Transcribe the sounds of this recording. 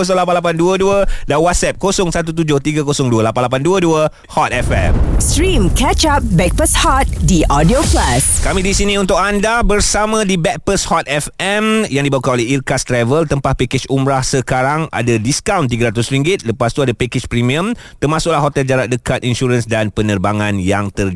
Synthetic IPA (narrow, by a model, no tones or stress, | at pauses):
os̬ɔŋlap̬anlap̬anduəduədanwat̪̚sɛp̚kosʊŋsat̪ut̪̬ud͡ʒʊht̪iɡakosɔŋduəlapanlap̬anduəduə | hɔt̪̚ɛfɛ̰mstɾĩmkɛt͡ʃap̚bɛk̚pəshɔt̪̚diʔɔdioplaskamĩdisinĩunt̪ʊkandabərsamãdibɛk̚pəshɔt̪̚ɛfɛmjaŋdibaukanolɛɦirkast̪ɾɛvəlt̪əmpahpekɪt͡ʃumɾahsəkaɾaŋa̰dadiskawnt̪̬iɡaɾat̪usɾiŋɡɪt̪̚ləpast̪uadapekɪt͡ʃpɾimĩə̃mt̪ərmãsʊk̚lahɦot̪ɛld͡ʒaɾat̪̚dəkat̪inʃuɾənsdanpənərbaŋãnjaŋt̪ər